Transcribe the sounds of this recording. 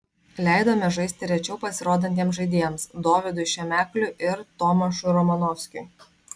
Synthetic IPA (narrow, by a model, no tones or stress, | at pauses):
lʲæˑɪd̪oːmʲɛʒɐɪsʲt̪ʲɪɾʲɛt͡ʃʲɛʊpɐsʲɪɾoːd̪ɐnʲt̪ʲiɛmsʒɐɪd̪ʲiɛɛmsd̪oːʋʲɪd̪ʊʃʲɛmʲæːklʲʊʔɪɾt̪ɔmɐʃʊɪɾɔmɐnɔfʲsʲkʲʊɪ